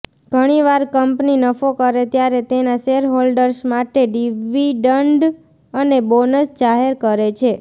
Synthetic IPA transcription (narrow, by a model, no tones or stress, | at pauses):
ɡʱəɽ̃iʋaɾkəmpninəfokəɾet̪jaɾet̪enaʃeɾɦolɖəɾsmaʈeɖiʋiɖəɳɖ | ənebonəsd͡ʒaɦeɾkəɾet͡ʃʰe